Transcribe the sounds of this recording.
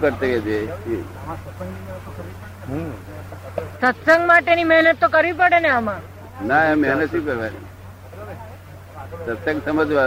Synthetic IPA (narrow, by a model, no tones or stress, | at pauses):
kəɾt̪eked͡ʒʰei | sət̪səŋɡmaʈenimɛɦnət̪ːokəɾʋip̬əɽeneamã | naemːɛɦnət̪ʃũkəɾʋanḭ | sət̪sə̃ŋɡsəməd͡ʒʋa